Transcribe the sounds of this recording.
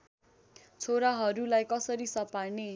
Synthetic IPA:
t͡sʰoɾaɦʌɾulajkʌsʌɾisʌparne

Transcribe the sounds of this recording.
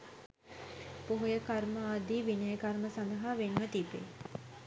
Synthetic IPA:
poɦojəkarməad̪iːʋinəjəkɐɾməsand̪ɐɦaːʋenʋət̪ibḛ

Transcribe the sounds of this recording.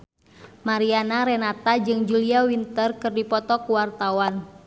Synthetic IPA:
maɾianaɾɛnat̪ad͡ʒɨŋd͡ʒuliawint̪ərkɨrdipɔt̪ɔkuwart̪awan

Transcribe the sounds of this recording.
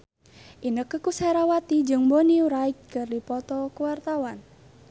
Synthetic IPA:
ʔinəkəkusaɾawat̪id͡ʒɨŋmboniuɾaik̚kɨrdipɔt̪ɔkuwart̪awan

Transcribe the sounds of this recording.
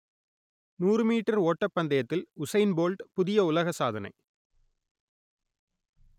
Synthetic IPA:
nuːrɯmiːʈːɐɾoːʈːɐpːɐnd̪ɐjɐt̪ːɪlʊsɐɪnboːlʈpʊðɪjɐʊlɐɣɐsaːðɐnɐ̰ɪ

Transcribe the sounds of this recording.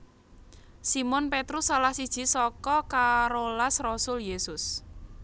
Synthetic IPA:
simʊnpet̪ɾʊsːalahsid̥ʒ̥i̤sɔkɔkaɾolasrɔsʊljesʊs

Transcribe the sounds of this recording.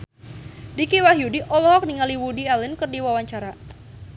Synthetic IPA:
dikiwaɦjudiʔɔlɔɦɔk̚niŋaliwudialinkərdiwawaɲt͡ʃaɾa

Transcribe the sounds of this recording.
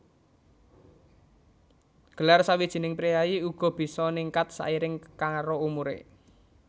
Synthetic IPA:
ɡ̥ə̤larsawid̥ʒ̥i̤nɪŋpɾijajiuɡ̥ɔ̤b̥i̤sɔniŋkat̪̚sa̰ʔiɾɪŋkaŋɾoumuɾḛ

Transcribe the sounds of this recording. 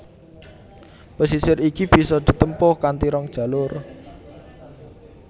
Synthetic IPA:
posisɪɾikib̥i̤sɔd̪̥i̤t̪əmpʊhkant̪iɾɔŋd̥ʒ̥ä̤lʊr

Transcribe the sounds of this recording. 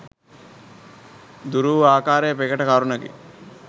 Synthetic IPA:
d̪uɾuːʋaːkaːɾejəpeɡəʈəkaɾunəɡḭ

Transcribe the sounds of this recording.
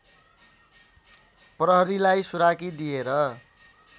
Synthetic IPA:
prʌɦʌɾilajsuɾakid̪ijeɾʌ

